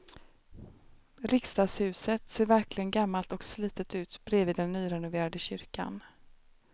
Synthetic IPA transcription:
ɾɪkst̪ɑːɡshʉ̟ːsət̪seːɾvæɾklɪɡənɡamːalt̪ɔksliːt̪ət̪ʉ̟ːt̪bɾeːviːd̪ɛnːyːɾɛnʊveːɾad̪əɕʏɾka̰n

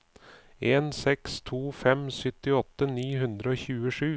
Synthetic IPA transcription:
eːnsɛkst̪ʰuːfɛmsʏt̪ɪɔt̪ːəniːɦʉnd̪ɾəoːçʉːəʂʉː

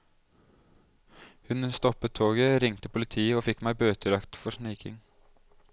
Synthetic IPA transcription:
hʉnst̪ɔpət̪ʰːoːɡəɾɪŋt̪əpʊlɪt̪ʰiːəoːfɪkmæɪbøːt̪ʰəlɑkt̪fɔʂniːkɪ̰ŋ

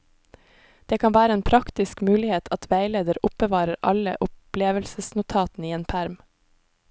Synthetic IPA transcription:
d̪̥eːkʰɑnʋæːɾəeːnpʰɾɑkt̪ɪskmʉːlɪheːt̪ʰɑt̪ʰʋæɪleːd̪əɾʊp̚bəʋɑːɾəɾʔɑ̰lə̰ʔʊpleːʋəlsəsnʊt̪ʰɑːt̪n̩iːeːnpʰæɾm

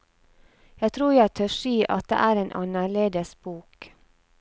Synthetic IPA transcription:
jæɪt̪ʰɾuːɾjæɪt̪ʰøːʂiːʔɑ̰t̪̚d̪ḛːʔæːɾeːnʔɑ̰nəɭeːd̪əsb̥uːk

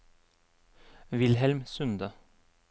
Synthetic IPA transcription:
ʋɪlhɛlmsʉnd̪ə

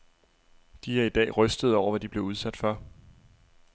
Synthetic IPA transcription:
d̥ihæɐid̥ɛ̰ːʁœsd̥əð̩ˠɒʊɐʋæd̥ib̥le̝ʊuð̞ˠsæd̥fɶɐ̰

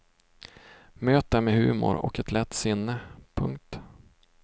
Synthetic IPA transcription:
møːt̪əmɛhʉ̟ːmʊ̰ɾɔ̰kɛt̪ʰlɛt̪ːsɪnːəpʰɵŋk̚t̪

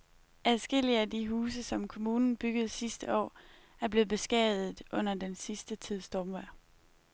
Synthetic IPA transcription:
æðˠsɡ̥e̝l̰iəædiɦuːs̬əsɒ̽mkʰo̝muːnn̩b̥yɡ̥əð̞̩ˠsisd̥əɒ̰ː | æɐb̥le̝ːð̩ˠb̥e̝sɡ̥ɛ̰ːðˠð̩ˠʔɔ̽n̰ɐd̥ensisd̥ət͡sʰið̞̰ˠsd̥ɒːmʋæɐ̰

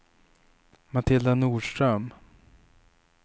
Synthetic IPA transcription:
mat̪ʰɪld̪anuːʂʈ̪ɾœm

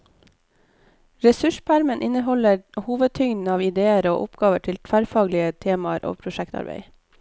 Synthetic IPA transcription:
ɾɛsʉʃpʰæɾmənʔɪnəhɔləɾhuːʋəd̪̚t̪ʰʏŋd̪n̩ɑːʋɪd̪eːəɾo̰ːʔʊpɡ̥ɑːʋəʈʰɪlt̪ʰfæɾfɑːɡlɪət̪ʰeːmɑəɾʔo̰ːpʰɾʊʃækt̪ʰɑ̰ɾbḛɪ

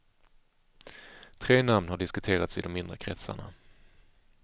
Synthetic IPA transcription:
t̪ʰɾeːnamnhaɖɪskɵt̪ʰeːɾat̪sɪd̪ɔmɪnd̪ɾəkʰɾɛt̪sa̰ɳa̰

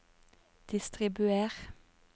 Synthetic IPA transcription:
d̪̥ɪst̪ʁɪbʉeːʁ

